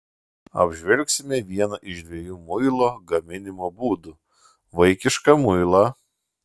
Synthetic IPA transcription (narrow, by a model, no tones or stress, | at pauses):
ɐ̰bʲʒʲʋʲɛlʲksʲɪmʲɛʋʲiɛnɐʔɪʃd̪ʲʋʲiɛjuːmʊɪlˠoːɡɐmʲɪnʲɪmoːbuːd̪ʊ | ʋɐɪkʲɪʃkɐmʊɪlˠɑ